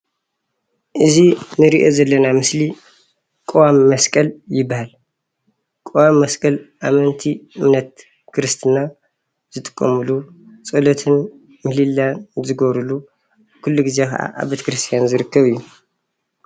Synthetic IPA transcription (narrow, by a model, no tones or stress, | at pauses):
ʔɨzinɨɾiʔo̞zɐlːɐnamɨsli | kʼowamːɐskʼɐljɪbːahal | kʼowamːɐskʼɐlʔamɐnt̪ʰiɨmnɐt̪̚ | kʰɨɾɨst̪ʰɨna | zɨt̪ʼɨ̥kʼːɐmɨlu | t͡sʼɐlot̪ʰɨn | mɨlilːanzɨɡoβɾulu | kʰulːuɡɨze̞kʰɐ̰ʔa̰ʔa̰bet̪ʰɐ̥kɾɨst̪ʰijanzɨɾɨkːɐβɨjːu